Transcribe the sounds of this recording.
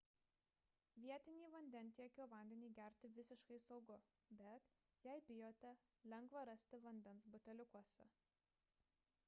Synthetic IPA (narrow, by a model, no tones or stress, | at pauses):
ʋʲiɛt̪ʲɪnʲiːʋɐnʲd̪ʲɛnʲˑt̪ʲiɛkʲoːʋɐˑnʲd̪ʲɛnʲiːɡʲæˑɾʲt̪ʲɪʋʲɪsʲɪʃkɐɪsɒʊɡʊ | bʲɛt̪ | jɛɪbʲɪjoːt̪ʲɛ | lʲɛŋɡʋɐɾɐsʲt̪ʲɪʋɐnʲd̪ʲɛnsbʊt̪ʲɛlʲʊkuɔsʲɛ̰